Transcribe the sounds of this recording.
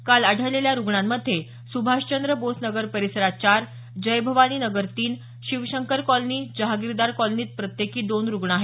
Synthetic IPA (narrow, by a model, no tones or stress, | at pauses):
kalaɽ̤ʱəleljaɾuɡɳamːəd̪ʱːje | subʱaɕt͡ɕənd̪ɾəbosnəɡəɾpəɾisəɾat͡ɕaɾ | d͡ʑəjbʱəʋañiːnəɡəɾt̪iːn | ɕiʋɕəŋkəɾkɔlniːd͡ʑəɦaɡiɾd̪aɾkɔlniːt̪̚pɾət̪jekiːd̪onɾuɡɳaɦe